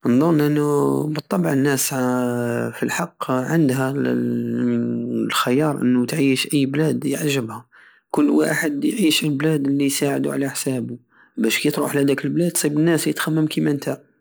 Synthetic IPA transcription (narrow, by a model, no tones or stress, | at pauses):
ənd̪ˤʊnːʔənːubət̪ˤːɑbʕənːæs | filħɑqːʕənd̪ɦæ | lxəjɑɾˤʔə̰nːut̪ʕiːʃʔəjːblæd̪jəʕʒəbhæ | kʊlːwa̰ħəd̪jʕiʃəlblæd̪lːijsaʕəd̪ṵʕlæħsæbu | bæʃkijt̪ɾuħlæd̪ækəlblæd̪t̪sˤibənːæsjət̪xæmːəmkimænt̪ʰæ